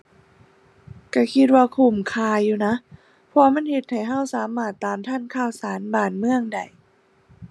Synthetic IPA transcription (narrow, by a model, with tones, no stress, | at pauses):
ka˧˩kʰi˧t̪̚waː˧kʰu˧˩mkʰaː˧uː˧na˧˥ʔ | pʰɔ˧ma˧˥˨nhe˧t̪̚ha˧˨˩jɦa˧˥˩wsaː˨˦maː˧˩t̪ːaː˨˩mt̪ʰa˧˥˨nkʰaː˧˩wsaː˨˦nbaː˨˩nmɯ˧˨əŋda˨˩j